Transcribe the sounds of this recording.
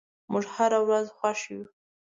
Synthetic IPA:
muʒhaɾawɾazxwaʃju

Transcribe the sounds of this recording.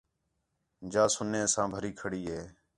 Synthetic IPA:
d͡ʒaːsʊnːẽːsãːbʱəɾiːkʰəɽiːɦeː

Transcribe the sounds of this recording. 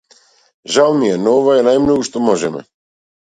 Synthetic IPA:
ʒawmijɛnɔɔvaɛnajmnoɡuʃt̪omɔʒɛmɛ̰

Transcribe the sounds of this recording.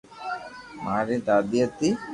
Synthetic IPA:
maɾit̪ad̪jɐt̪ːi

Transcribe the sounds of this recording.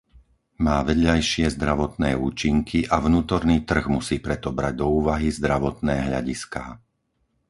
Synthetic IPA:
maːʋɛd̪ʎajʃɪɛzd̪ɾaʋɔt̪nɛːuːt͡ʃiŋkʰiʔavnuːt̪ɔɾniːt̪r̩ɣmusiːpɾɛt̪ɔbɾaɟ̚d̪ɔuːʋaɦizd̪ɾaʋɔt̪nɛːɦʎa̰ɟiskaː

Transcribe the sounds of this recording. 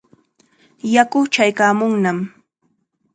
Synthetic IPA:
jakʊt͡ʃajkaːmʊŋnam

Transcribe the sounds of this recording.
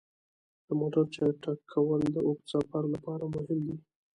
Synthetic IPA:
d̪̥əmoɖaɾt͡ʃɑjʈakʰawəld̪əʔokt͡sɑpaɾlapɑɾamʊhɪmd̪i

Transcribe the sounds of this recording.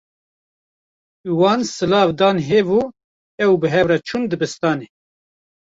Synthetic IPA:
wɑːnsɨlɑːvd̪ɑːnɦeːvuː | ɛwbɨɦɛvrɛt͡ʃʰund̪ɨbɨst̪ɑːne

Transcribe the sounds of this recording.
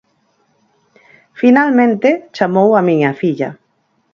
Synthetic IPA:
finalmẽnt̪et͡ʃamowamĩɲafiʎa

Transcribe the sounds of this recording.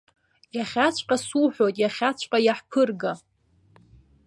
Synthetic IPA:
jaχʲat͡ɕʷʼqʼasuħʷojtʼjaχʲat͡ɕʷʰʼqʼajaħpʰɨrɡa

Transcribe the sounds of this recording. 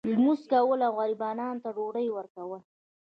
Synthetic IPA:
lmuskawəlawɣaɾibɑnɑnt̪aɖoɽəjwəɾkawəl

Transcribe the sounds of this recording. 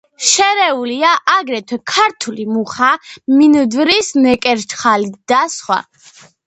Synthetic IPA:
ʃɛɾɛuliaʔaɡɾɛt̪ʰwɛkʰaɾt̪ʰulimuχaminəd̪vɾisnɛkʼɛɾt͡ʃχalid̪̥asχwa̰

